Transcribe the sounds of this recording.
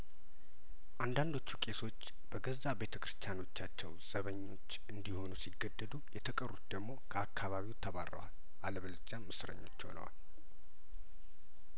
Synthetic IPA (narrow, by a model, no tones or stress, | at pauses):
ʔand̪and̪o̞t͡ʃːukʼe̞so̞t͡ʃː | b̥əɡəzːabe̞t̪ʰə̥kɨɾɨst̪ʰjano̞t͡ʃːat͡ʃːɛwz̥əβəɲːo̞t͡ʃːʔɨnd̪iho̞nusiɡːəd̪ːəd̪ujɛt̪ʰəkʼərut̪̚d̪əɡmo̞kʰəakʰːaβaβiwt̪ʰːəβa̰rːə̰wa̰l | ʔaləβəld͡ʒammɨsɾə̰ɲːo̞̰t͡ʃːho̰nə̰wa̰l